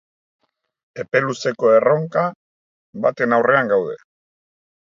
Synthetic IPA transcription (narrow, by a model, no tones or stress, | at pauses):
e̞pe̞luse̞ko̞e̞ro̞ŋka | bat̪e̞nawre̞aŋɡawð̞e̞